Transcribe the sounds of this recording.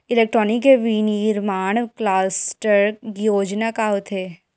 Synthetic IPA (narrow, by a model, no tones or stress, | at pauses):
ɪleːk̚ʈɾɔːnɪkeʋiːniːɾmaːɳ̃klaːsʈəɾjoːd͡ʒnakaɦot̪ʰeː